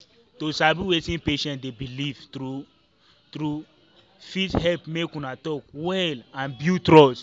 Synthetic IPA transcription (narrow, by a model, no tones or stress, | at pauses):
tosabiwetĩnpeʃɛ̃ndebilivtɾu | tɾu | fithɛlpmekũnatɔkwɛlãnbjutɾɔs